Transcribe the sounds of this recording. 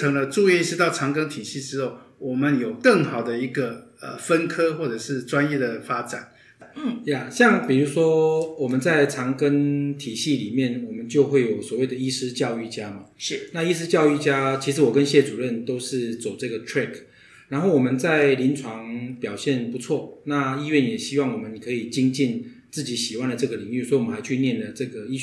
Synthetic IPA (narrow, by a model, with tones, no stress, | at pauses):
ɤ˧˦˥ŋlə˧ʈ͡ʂu˥˧i˥˧˥ʂ̩˥˧t̪ɑ˥˨˩ʊʈ͡ʂʰɑ˧˥ŋkə˥ŋt̪ʰi˨˩ɕi˥˩ʈ͡ʂɻ̩˥xo˥˩ʊwɔ˨˩mə˦njo˨˩ʊkə˥˩ŋxɑ˨˩ʊd̪ə˦i˧˥ɡə˨ə̰˨fə˦nkʰɤ˥xwɔ˥˩ʈ͡ʂɤ˨˩ʂɻ̩˥˩ʈ͡ʂwa˦njɛ˥˩d̪ə˩fa˥ʈ͡ʂa˨˩˦n | ja˥˨˩ɕjɑ˥˨ŋpi˨˩ɻu˧˥ʂwɔ˥wɔ˨˩mə˦nt͡sa˥˩ɪt͡sʰɑ˧˥ŋkə˥ŋt̪ʰi˨˩ɕi˥˨li˨˩mjɛ˥˩nwɔ˨˩mə˦nt͡ɕjo˥˧ʊxwe˥˩ɪjo˨˩˦ʊswɔ˨˩we˥˩ɪd̪ə˩i˥ʂɻ̩˥t͡ɕjɑ˥˧ʊy˥˩t͡ɕja˥mɐ˨˥na˥˧i˥ʂ̬ɻ̩˥t͡ɕjɑ˥˧ʊy˥˩t͡ɕja˥t͡ɕʰi˧˥ʂ̬̩˧˥wɔ˨˩kə˦nɕjɛ˥˩t͡su˨˩ɻə˥˩nt̪o˥ʊʂɻ̩˥˩t͡so˨˩ʊt͡sɤ˥˩ɡə˩tʰɹɛ˥˩kʰ | ɻa˧nxo˥˩ʊwɔ˨˩mə˦nt͡sa˥˩ɪli˧˥nt͡sʰwɑ˧˦ŋpjɑ˨˩ʊɕjɛ˥˩npu˧˥t͡sʰwɔ˥˩na˥˧i˥ɥɛ˥˩njɛ˨˩ɕi˥wɑ˥˩ŋwɔ˨˩mə˦ni˨˩kʰɤ˧˥i˨˩t͡ɕi˥ŋt͡ɕi˥˧n | t͡sɹ̩˥˩t͡ɕi˨˧˥ɕi˨˩wa˧˥nd̪ə˨ʈ͡ʂɤ˥˩ɡə˩li˧˨˥ŋy˥˩sɔ˧˥i˥wmə˦nxa˧˥ɪt͡ɕʰy˥˧njɛ˥˨nlə˩ʈ͡ʂɤ˥˩ɡə˩i˥